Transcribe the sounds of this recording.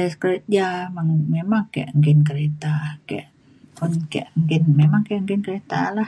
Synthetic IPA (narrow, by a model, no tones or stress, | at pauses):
askəɾet̪̚d͡ʒamaŋmemaŋkaja̰ʔəŋɡɪnk̬əɾet̪akaja̰ʔ | pʊnka̰ʔəŋɡɪnmemaŋkaaʔəŋkɪnkəɾet̪a̰lah